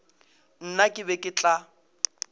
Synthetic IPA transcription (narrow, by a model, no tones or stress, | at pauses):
n̩nakʼɪbɛkʼɪt͡ɬʼa